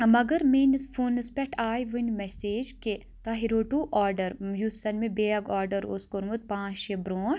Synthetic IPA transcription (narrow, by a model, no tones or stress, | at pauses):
mɐɡɐɾmeːnisfʰuːnɨspʲɛʈʰaːjʋɨnmɛseːd͡ʒke | t̪aɦiɾoːʈuːʔaːɾɖɐɾjuːɐnmẽbeːɐɡaːɾɖɐɾo̰skoɾmut̪̚pãːt͡ʃʃebɾoː